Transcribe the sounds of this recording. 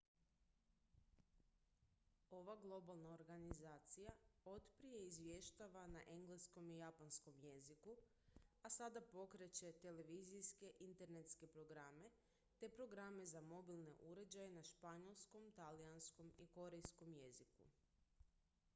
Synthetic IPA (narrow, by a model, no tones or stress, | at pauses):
o̞ʋaɡlˠo̞balˠnaoɾɡanizaːt̪sijao̞t̪pɾije̞izʋje̞ʃt̪aʋanaʔe̞ŋɡlesko̞mijapansko̞mje̞ziku | asad̪apo̞kɾe̞t͡ɕe̞t̪e̞le̞ʋizijske̞ʔint̪e̞ɾne̞t̪ske̞pɾo̞ɡɾame̞ | t̪e̞pɾo̞ɡɾame̞zamo̞bilˠne̞̰ʔuɾe̞d͡ʑajenaʃpaɲo̞lˠsko̞mt̪alijansko̞miko̞ɾe̞jsko̞mje̞zikṵ